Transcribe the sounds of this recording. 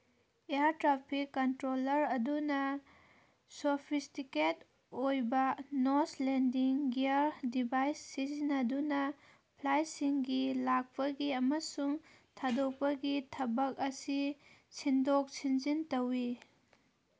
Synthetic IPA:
ejaɾtɾapʰikːɐntɾolɐɾɐdunɐ | sopʰistiket | ojbɐnoslendiŋɡiaɾdibajsːizinɐdunɐ | pʰlajsiŋɡilak̚pɐɡiɐmɐsuŋ | tʰadok̚pɐɡitʰɐbɐk̚ɐsi | sindok̚sinzintɐwi

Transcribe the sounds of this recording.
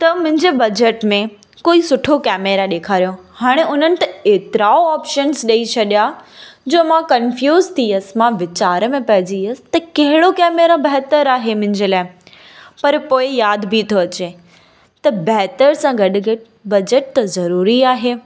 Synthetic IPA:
t̪ɐmʊ̃ɦɪ̃ɲd͡ʑebɐd͡ʑeʈmẽ | koːisʊʈʰokɛːmeɾaɗeːkʰaːɾijõhaːɽ̃eʊn̤ənɪ̆t̪ɐeːt̪ɪɾaːoaːpʃənzɗɐit͡ɕʰɐɗijad͡ʑoːmãkɐnfjuːzt̪ʰiəs̆mãʋɪt͡ɕaːɾəmẽpɐɦɪd͡ʑiəsɪ̥t̪ɐkɐɦɪɽokɛːmeɾabɐɦt̪əɾaːɦemʊ̃ɦɪ̃ɲd͡ʑeːlaːɪ | pɐɾpoːɪjaːd̪bʱit̪ʰoɐt͡ɕe | t̪ɐbɐɦt̪əɾsãɡɐɗ̆ɡɐʈ | bɐd͡ʑeʈ̚t̪ɐzɐɾuːɾiaːɦeː

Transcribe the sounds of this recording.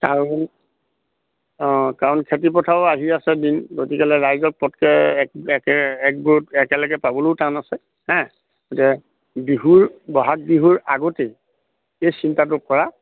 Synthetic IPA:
kaɹɔn | ɔ̃kaɹɔnkʰetipɔtʰabɔaɦiasɛdinɡotikɛlɛɹajzɔk̚pɔtkɛkɛkɛɛk̚buɹtɛkɛlɔɡɛpabɔlojtanasɛ | hɛ̃ | ɡotɛ | biɦuɹbɔɦak̚biɦuɹaɡote | ejsintat̬ʊkɔɹa

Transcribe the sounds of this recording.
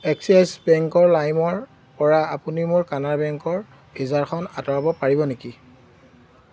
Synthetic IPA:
ɛksasbɛŋkɔɹlajmɔɹ | pɔɹaapunimʊɹkanaɹbɛŋkɔɹ | bizaɹxʰɔnatɔɹabɔpaɹibɔneki

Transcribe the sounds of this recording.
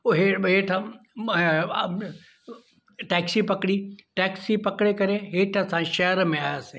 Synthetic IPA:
oɦeɦeːʈʰɐ | ʈɛːksipɐkɽiʈɛːksipɐkɽekɐɾeɦeːʈʰɐsãːʃɐɾmẽaːjaːse

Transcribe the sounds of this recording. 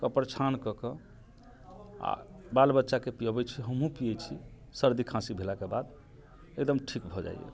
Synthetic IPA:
kəpəɾt͡ʃʰankɔkə | a̰balbətːʃakepijabɛt͡ʃʰiɦəmɦũpijɛt͡ʃʰi | səɾd̪ikʰãsibʱelakebad̪ | ekd̪əmʈʰikbʱɔd͡ʒa̰j̰jḛ

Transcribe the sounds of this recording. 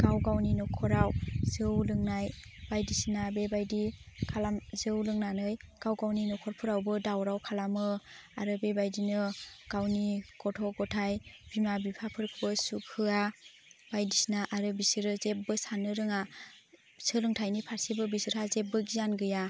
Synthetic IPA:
ɡ̥awɡawninɔkʰɔɾawz̥ɯwlɯŋnajb̥ajdisinabebajdikʰalamzɯwlɯŋnanɯjɡ̥awɡawninɔkʰɔɾpʰɯɾawbɯdawɾawkʰalamɯaɾɯbebajdinɯɡ̥awnikɔtʰɔɡɔtʰajb̥imabipʰapʰɯɾkʰɯbɯsukʰɯa | b̥ajdisinaʔaɾɯbisɯɾɯzep̚bɯsanɯɾɯŋa | sɯlɯŋtʰajnipʰaɾsibɯbisɯɾhazep̚bɯɡizanɡɯja

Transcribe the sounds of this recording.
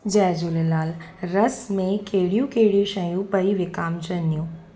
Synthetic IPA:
d͡ʑɛːd͡ʑulelaːlɾɐsmẽkeɦɪɽijũkeɦɪɽijũʃɐjũpɐiʋɪkaːmt͡ɕɐnd̪ijũː

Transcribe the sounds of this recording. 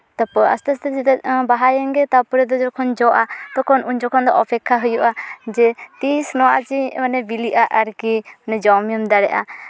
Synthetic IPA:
t̪apa̰st̪ast̪ɛd͡ʒit̪baɦajɛŋɡɛt̪apɔɾɛd̪ɔd͡ʒɔkʰɔnd͡ʒɔʔat̪ɔkʰɔnuɲd͡ʒɔkʰɔnd̪ɔʔɔpʰɛkʰːaɦujuʔad͡ʒɛt̪isnɔat͡ʃiɔnɛbiliʔaʔaɾkiɔnɛd͡ʒɔmijɔmd̪aɽɛʔa̰

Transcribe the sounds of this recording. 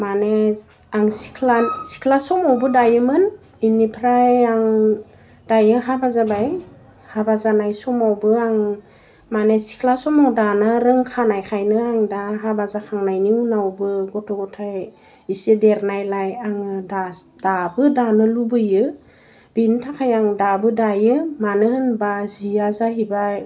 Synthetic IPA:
mane | aŋsi̥kʰlasi̥kʰlasɔmawbɯdajɯmɯn | inipʰɾajaŋ | d̥ajɯɦabazabaj | habazanajsɔmawbɯaŋ | manesi̥kʰlasɔmawdanaɾɯŋkʰanajkʰajnɯaŋdaɦabazakʰaŋnajniunawbɯɡɔtʰɔɡɔtʰaj | isedeɾnajlajaŋɯda | d̥abɯdanɯlubɯjɯ | b̥intʰakʰajaŋdabɯdajɯmanɯhɯnbaziazaɦibaj

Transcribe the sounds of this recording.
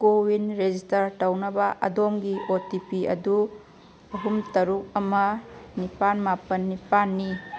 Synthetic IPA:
kowinɾed͡ʒistɐɾtɐwnɐbɐʔɐ̰domɡiotipiɐ̰du | ɐɦumtɐɾuk̚ɐmɐnipanmapɐnːipanːi

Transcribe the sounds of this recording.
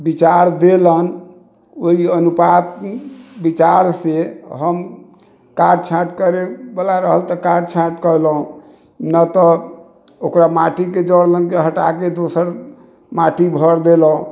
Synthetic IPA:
bit͡ʃaɾd̪elən | oiənupat̪bit͡ʃaɾseɦəm | kaɾɖt͡ʃʰaʈkəɾebəlaɾəɦəlt̪ɔkaɾɖt͡ʃʰaʈkəɾlɦũ | nət̪ɔ | okɾamaʈiked͡ʒəɽlənkeɦəʈaked̪osəɾ | maʈibʱəɾd̪elɦũ

